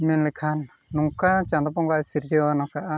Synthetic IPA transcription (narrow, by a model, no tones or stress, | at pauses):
mɛnlɛkʰanːuŋkat͡ʃand̪ɔp̬ɔŋɡasiɾd͡ʒɛwanɔkaʔa